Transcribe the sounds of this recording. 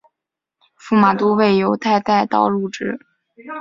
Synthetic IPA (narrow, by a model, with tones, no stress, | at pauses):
fu˥˩ma˨˩t̪u˥we˥˩ɪjo˧˥ʊt̪ʰa˥˧ɪt̪a˥˧ɪt̪ɑ̰˥˧ʊlu˥˩ʈ͡ʂɻ̩˥